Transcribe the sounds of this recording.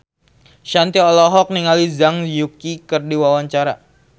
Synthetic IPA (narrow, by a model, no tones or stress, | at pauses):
ʃant̪iɔlɔɦɔk̚niŋalizaŋjukikərdiwawaɲt͡ʃaɾa